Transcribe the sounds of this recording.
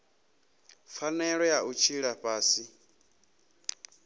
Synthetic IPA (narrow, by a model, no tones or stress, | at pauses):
fanɛɺɔjaʔut͡ʃʰiɺapʼaːsi